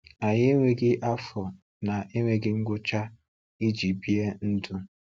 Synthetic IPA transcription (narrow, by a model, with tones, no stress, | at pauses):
a˨ɲɪ˦e˦ŋʷe˦ɡɪ˦ʔa˦fɔ˨ | na˨ʔe˦ŋʷe˦ɡɪ˦ŋ̩˦ɡʷʊ˦t͡ʃa˦ | i˦d͡ʒi˨bi˦e˦n̩˦dʊ˦